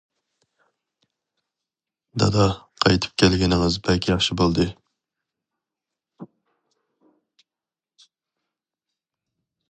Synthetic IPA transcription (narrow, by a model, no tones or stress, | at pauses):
d̪ɑ̰d̪ɑqʰɑjt̪ʰɨ̥p̚kʲʰɛlɡʲɛnɪŋɨzbɛlkʲʰijɑχʃibolˠd̪ɨ